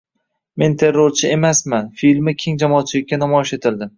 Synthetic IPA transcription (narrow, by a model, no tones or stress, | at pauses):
me̞nt̪ʰe̞ɾːoɾt͡ʃʰɪe̞masmanfilmɪkʲʰeŋd͡ʒamɒːt͡ʃʰɪlɪkʲːanamɒɪʃe̞t̪ʰɪld̪ɪm